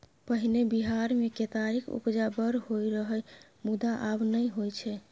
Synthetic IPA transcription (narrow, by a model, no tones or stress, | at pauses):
pəɦinebiɦaɾmeket̪aɾikʰṵpd͡ʒabəɾhojɾəɦəj | mud̪aʔabnəjɦojt͡ʃʰɛ